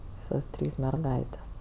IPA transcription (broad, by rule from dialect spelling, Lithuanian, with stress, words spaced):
ˈʋʲiːsoːs ˈtʲrʲiːs mʲɛrˈɡɐɪtʲeːs